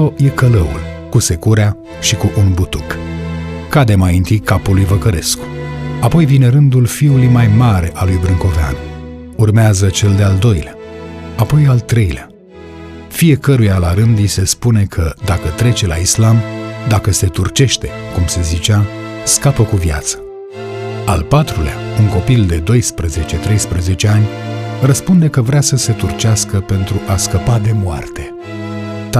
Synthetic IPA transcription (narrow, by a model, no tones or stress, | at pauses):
oje̞kələṵl | kuse̞kuɾea | ʃikuʔunbut̪uk | kːad̪e̞majint̪ijkapulujvəkəɾe̞sku̥apo̞jvine̞ɾɨnd̪ulfiulujmajmaɾe̞ʔalujbɾɨŋko̞vea̰n | urmeazət͡ʃe̞ld̪eald̪o̞jlea | apo̞jalt̪ɾe̞jlea | fije̞kəɾujalaɾɨnd̪jise̞spune̞kʰəd̪akət̪ɾe̞t͡ʃe̞la̰islamd̪akəse̞t̪urt͡ʃe̞ʃt̪e̞kumse̞zit͡ʃa | skapəkuvja̰t̪sə̥ | a̰lpat̪ɾulea̰uŋko̞pild̪e̞d̪o̞jspɾəze̞t͡ʃe̞t̪ɾe̞jspɾəze̞t͡ʃe̞anʲrəspund̪e̞kəvɾeasəse̞t̪urt͡ʃaskəpe̞nt̪ɾuʔaskəpad̪e̞moa̰rt̪e̞